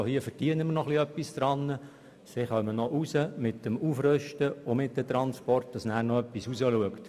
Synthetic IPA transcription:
ohiəfəɾd̥iənəmərnɔχliœpːisd̪ɾɑnːə | sɪχœmənɔʔusəmɪtdəmufɾøʃtəʊmɪt̚d̪ət̪ɾɑnspɔrt̚d̥ɑsnæːɾnɔœpːisusəluəkt

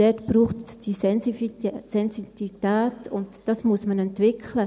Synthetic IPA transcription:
d̥ɛtb̥ɾuːχtsd̥isɛ | sɛnsititɛːtʊntd̥ɑsmuəsmənɛntvɪkʰlə

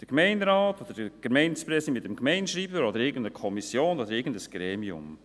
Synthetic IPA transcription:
d̥əɾɡmɛɪnɾaːtod̥̪əd̥əɡ̥əmɛɪnspɾɛsimɪt̚dɛmɡmɛɪnʃɾiːbəɾod̪əɾɪɡən̩dəkʰɔmisjoːnodəɾɪɾɡəndəsɡ̥ɾeːmiʊ̰m

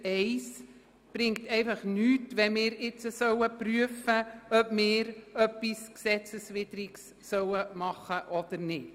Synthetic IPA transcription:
ɛɪs | b̥rɪŋktɛɪfɑχnyːtʋɛmɪːɾɪt͡səsœwəpryəfəœpmɪːɾœpisksɛt͡səsʋɪdəɾiks | sœwəmɑχəʔɔd̥əɾnɪt

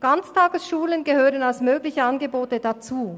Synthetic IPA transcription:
ɡ̥ant͡stʰaːɡəsʃuːlənɡəhøːʁənalsmøːɡlɪçəanɡəboːtədat͡suː

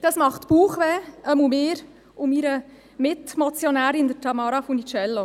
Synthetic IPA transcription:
d̥̪ɑsmɑχt̪puːχʋɛəmumɪːɾ | umiɾə | mɪtmɔt͡sjɔnæːɾɪnd̪ətʰɑmɑːɾɑfunit͡ʃɛlːo

